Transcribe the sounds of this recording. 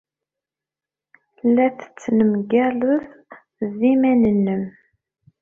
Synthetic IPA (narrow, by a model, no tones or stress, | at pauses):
læθt͡sːnəmɡæləð | ðimænənːəm